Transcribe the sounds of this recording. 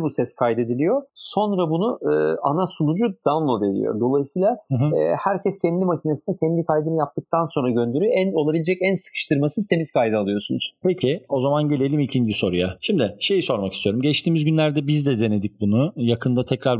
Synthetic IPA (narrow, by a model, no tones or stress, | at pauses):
busɛskʰajd̪e̞d̪ilʲijo̞so̞nɾabunuɯanasunud͡ʒud̪̥anlˠove̞ɾḭjo̞̰d̪o̞lˠajisɯjːlˠahæɾcʰɛscʰɛnd̪imacʰine̞sinɛcʰɛnd̪ikʰajd̪ɯnɯjap̚t̪ɯk̚t̪ʰanso̞nɾaɟø̞nd̪eɾyjoæno̞lˠabilʲed͡ʒɛcænsɯ̥kʰɯ̥ʃt̪ʰɯɾmasɯzt̪ʰe̞mizkʰajd̪ɯalˠɯjo̞sunuz̥pʰecʰio̞zamanɟelʲe̞lʲimicʰind͡ʒiso̞ɾujaʃimd̪ɪʃe̞jiso̞ɾmakist̪ʰijo̞ɾumɟɛt͡ʃt̪ʰiːmizɟynlʲæɾd̪ɛbizd̪ɛd̪e̞ne̞d̪ic̚bunujakʰɯnd̪at̪ʰɛcɾaɾ